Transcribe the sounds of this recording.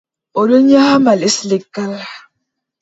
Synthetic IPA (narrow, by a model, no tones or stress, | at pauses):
oloɲahamaleslekːala